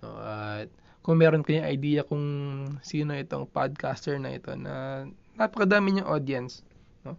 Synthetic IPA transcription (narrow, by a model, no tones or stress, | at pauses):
ʔo̰ʔɐt̪̚ | kʊŋmɛːɾonkɐjɐŋɐjd̪iːjɐkʊŋsiːno̞ʔɛt̪o̰ŋpad̪̚kast̪ɛɹnɐʔɪ̰t̪o̞̰nɐ̰napɐkɐd̪aːmɪɲʊŋʔod̪iɐns | no̞